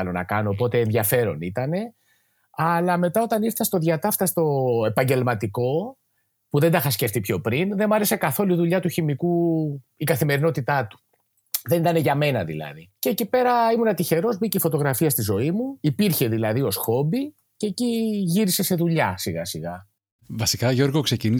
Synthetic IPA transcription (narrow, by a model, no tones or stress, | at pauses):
lo̞nɐ̰kɐno̞ːp̬o̞t̪e̞ːnðʝɐfe̞ɾo̞nit̪ɐne̞ | ɐlɐme̞t̪ɐo̞t̪ɐniɾθɐst̪o̞ðʝɐt̪ɐft̪ɐst̪o̞e̞pɐɲɟe̞lmɐt̪iko̞ | puðe̞nd̪ɐxɐsce̞ft̪ipço̞pɾinðe̞mɐɾe̞se̞kɐθo̞luiðuʎɐt̪uçimiku | ikɐθime̞ɾino̞t̪it̪ɐt̪u̥ | ðe̞nit̪ɐne̞ʝɐme̞nɐ̰ðḭlɐ̰ðiceːcipe̞ɾɐimunɐt̪içe̞ɾo̞zbiceifo̞t̪o̞ɣɾɐfiɐst̪izo̞imuipiɾçe̞ðilɐðio̞sxo̞bi | ceciʝiɾise̞se̞ðuʎɐsiɣɐsiɣɐ | vɐsikɐʝo̞ɾɣokse̞cini